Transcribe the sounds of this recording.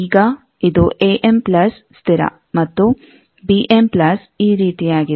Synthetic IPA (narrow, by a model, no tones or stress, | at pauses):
iːɡɐ | id̪uʔeːʔemplɐs | st̪ʰiɾɐ̰ | mɐt̪ːu | biʔemplɐs | iːɾiːt̪ijaːɡi